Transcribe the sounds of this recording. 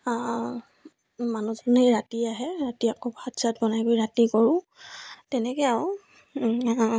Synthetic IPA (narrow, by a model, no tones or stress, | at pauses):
a | manuzɔneɹatiaɦɛɹatiakɔbatsat̚bɔnajbojɹatikɔɹʊ̃ | tɛnɛkɛaw